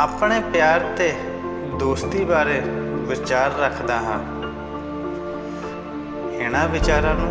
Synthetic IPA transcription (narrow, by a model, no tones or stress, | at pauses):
aːpɳeːpjaːɾt̪eː | d̪oːst̪iːbaːɾeːʋɪt͡ʃaːɾːəkʰd̪aːɦãː | ɪɽ̃ãːʋɪt͡ʃaːɾãːnũː